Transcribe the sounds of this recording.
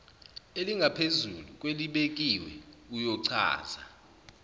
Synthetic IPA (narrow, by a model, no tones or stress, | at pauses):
eliŋɡʱapʰezulukʼweliɓek̬ʼiwɛ̰ujɔǀʰa̰ːza